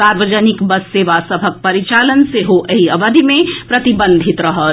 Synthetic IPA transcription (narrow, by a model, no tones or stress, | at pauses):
aɾʋəd͡ʒənikbəsːeːʋasɐbʱək̚pɐɾit͡ʃaːlənseɦoʔəɦiɐʋəd̪ʱimẽpɾɐt̪ibə̃nd̪ʱit̪ɾəɦə